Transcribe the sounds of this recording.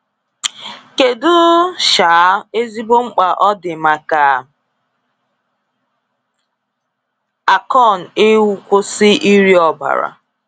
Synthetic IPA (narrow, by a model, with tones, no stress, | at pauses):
ke˨dʊ˦ʃa˨˦e˦zi˦bo˦ŋ͡m̩˦k͡pa˨ʔɔ˦dɪ˨ma˨ka˨ | a˨kɔ˦˨n̩˨e˦wu˦kʷo˦sɪ˦i˦ɾi˦ɔ˦˨ba̰˨ɾa̰˨